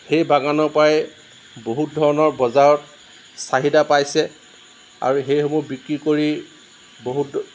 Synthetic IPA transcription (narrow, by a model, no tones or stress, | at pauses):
xejbaɡanɔɹpajɛ | boɦut̚dʱɔɹɔnɔɹbɔzaɹɔt̚ | saɦidapajsɛ | a̰ɹuxejxɔmubikɹikoɹi | boɦut